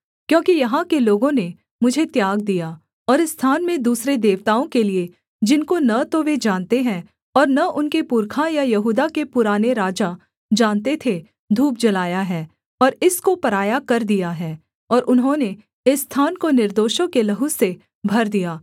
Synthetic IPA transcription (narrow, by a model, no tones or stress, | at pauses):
kjõːkijɐɦãkeloːɡõne | mʊd͡ʒʱet̪jaːɡ̚d̪ija | ɔːɾɪsːt̪ʰaːnmẽd̪uːsɾed̪eːʋt̪aːõkelie | d͡ʒɪnkonɐt̪oʋed͡ʒaːnt̪eɦɛ̃ | ɔːɾnɐʔʊnkepʊɾkʰajajɐɦuːd̪akepʊɾaːneɾaːd͡ʒa | d͡ʒaːnt̪et̪ʰe | d̪ʱuːp̚d͡ʒɐlaːjaɦɛː | ɔːɾɪskopɐɾaːjakɐɾd̪ijaɦɛː | ɔːɾʔʊnɦõne | ɪsːt̪ʰaːnkonɪɾd̪oːʃõkelɐɦuse | bʱɐɾd̪ijaː